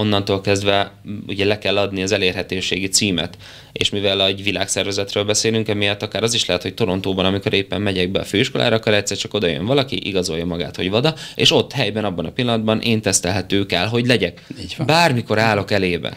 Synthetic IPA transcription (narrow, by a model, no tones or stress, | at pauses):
o̞nːɒnt̪oːlkɛzd̪vɛṵɟɛlɛkɛlːɒd̪niɒzɛleːrɦɛt̪øːʃeːɡit̪siːmɛ̰t̪ | ḛːʃmivɛlɛɟʋila̰ːksɛrvɛzɛt̪røːlbɛseːlyŋkɛmijɒt̪ːɒkaːɾɒziʃlɛɦɛt̪ho̞c̚t̪o̞ɾo̞nt̪oːbɒnɒmiko̞ɾʔeːpːɛmmɛɟɛɡ̚bɛɒføːiʃko̞lʔa̰ːɾɒːkːoɾɛc̚t̪sːɛrt͡ʃɒko̞d̪ɒjø̞̰ɱvɒlɒkḭʔḭɡɒzo̞jːɒmɒɡa̰ːt̪ho̞ɟvɒd̪ɒḛːʃo̞t̪ːhɛjbɛnɒbːɒnɒpilːɒnɒd̪bɒnʔeːnt̪ɛst̪ɛlɦɛt̪øːkɛlɦo̞ɟlɛɟɛkiɟbaːrmiko̞ɾaːlo̞kɛleːbɛ̰